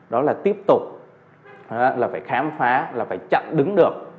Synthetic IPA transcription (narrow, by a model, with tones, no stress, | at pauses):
ɗɔ˨˦laː˨˩t̪i˦˥əp̚t̪ʊ˨˩k͡p̚ | laː˨˩faː˧˩jxaː˨˦mfaː˨˦laː˨˩faː˧˩jt͡ɕə̰˧˨nɗɨ˨˦ŋɗɨ˨˩ək̚